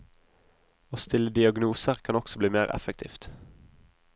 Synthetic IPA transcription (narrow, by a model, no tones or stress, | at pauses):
oːst̪ɪlːəd̪ɪɑɡnuːsəʁkʰɑnɔksɔbliːmeːʁɛ̰fɛk̚t̪ʰḭːft̪